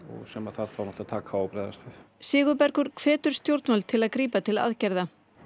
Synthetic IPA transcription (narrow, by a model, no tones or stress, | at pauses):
ɔ̰ɣsɛmaðθaðθawnɔht̪at̪ʰaːkʰaɔpɾɛːjða̰st̪vɪð | sɪːɣʏpɛɾ̥kʏɾ̥kʰvɛːt̪ʏɾ̥st̪jowɾ̥t̪nalt̪ʰɪlaðkɾiːpat̪ʰɪla̰ðcɛɾða